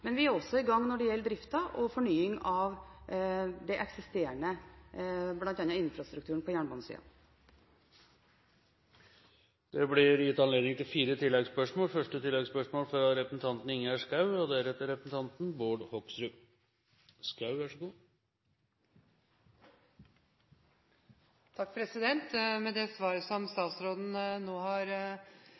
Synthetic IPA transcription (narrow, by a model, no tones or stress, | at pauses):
mɛnʋɪæɾɔsːɔɪɡɑŋːnɔɖɛjɛlːəd̪ɾɪft̪ɑʔɔfɔɳyːɪŋɑʋ | d̪ɛʔɛksɪst̪eːɾəɳə | blɑnt̪ɑnɑɪnfɾɑst̪ɾʉkt̪ʉːɾəɳ̩pʰɔjæːɳboːnəsḭːɑ̰ | d̪̥ɛblɪɾjɪt̪ːɑnleːd̪nɪŋt̪ʰɪlfiːɾət̪ʰɪlːɛɡspœʂmoːlfœʂʈət̪ɪlːɛɡspœʂmoːlfɔɾɑt̪ɾɛpɾəsn̩t̪ʰɑnt̪nɪŋːəæʂkɑʉɔd̪ɛæɾɛt̪ːəɾɛpɾəsn̩t̪ʰɑnt̪n̩boːɖhɔksɾʉː | skɑʉʋæʂəɡuː | t̪ʰɑkːpʰɾɛsɪd̪ɛnt̪mɛd̪ɛsʋɑːɾəsɔmst̪ɑːt̪sɾoːd̪n̩noːhɑɾ